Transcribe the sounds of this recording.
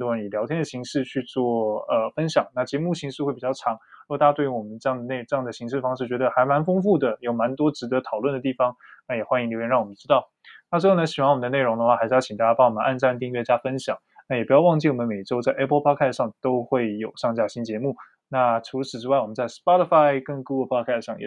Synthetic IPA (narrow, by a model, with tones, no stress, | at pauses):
nt̪ɔ˥ɻə˧˥ni˨˩ljɑ˧˥ʊt̪ʰjɛ˥nd̪ə˩ɕi˧˥ŋʂɻ̩˥˧t͡ɕʰy˥˧t͡swɔ˥˧ə˧fə˥nɕjɑ˨˩˦ŋna˥˩t͡ɕjɛ˧˥mu˥˩ɕi˧˥ŋʂɻ̩˥˧we˥˩ɪpi˨˩t͡ɕɑ˥˩ʈ͡ʂʰɑ˧˥ŋ˥˧t̪a˥˩a˥t̪wy˧˥wɔ˨˩mə˦nʈ͡ʂɤ˥˧jɑ˥˩ŋd̪ə˩n˥˩ɪʈ͡ʂɤ˥˧jɑ˥˩ŋd̪ə˩ɕi˧˥ŋʂɻ̩˥˩fɑ˥ŋʂɻ̩˥˩t͡ɕɥɛ˧˥d̪ə˧xa˧˥ɪma˧˥nfʊ˥ŋfu˥˩d̪ə˩jo˨˩ʊma˧˥nt̪wɔ˥ʈ͡ʂɻ̩˧˥d̪ɤ˧˥t̪ʰɑ˨˩ʊlwə˥˩nd̪ə˩t̪i˥˩fɑ˧˩ŋna˥˩jɛ˨˩xwa˥ni˧ŋljo˧˥jɛ˧˥nɻɑ˥˩wɔ˨˩mə˦nʈ͡ʂɻ̩˥ɑ˥˩ʊ | na˥˩swxo˥˩nə˧˥ɕi˨˩wnwɔ˨˩mə˦nd̪ə˧ne˥˩ɪɻʊ˧˥ŋd̪ə˧xwa˥˩xa˧˥ʂ̩˥˧˥t͡ɕʰi˨˩ŋt̪a˥˩t͡ɕja˥pa˧˥wɔ˨˩mə˦nʔa˥˧nʈ͡ʂa˥˧nt̪i˥˧ɥɛ˥˩t͡ɕja˥fə˥nɕjɑ˨˩˦ŋna˥˩jɛ˨˩pu˧˥jɑ˥˧ʊwɑ˥˧ŋt͡ɕi˥˩wɔ˨˩mə˦nme˨˩ɪʈ͡ʂo˥ʊt͡sa˥˩ɪʔɛ˥pʰpʰɑ˥˧˥kʰɛ˥˧sʂɑ˥˧ŋt̪o˥ʊxwe˥˩ɪjo˨˩ʊʂɑ˥˧ŋt͡ɕja˥˩ɕi˥nt͡ɕjɛ˧˥mu˥˩ | na˥˩ʈ͡ʂʰu˧˥ʂ̩˨˩ʈ͡ʂɻ̩˥wa˥˩ɪwɔ˨˩ə˦nt͡sa˥˩ɪspa˥t̪ə˥˩fa˥ɪkə˥˩ŋku˥ə˥˩pʰɑ˥kʰa˥˩sʂɑ˥˩ŋjɛ̰˨˩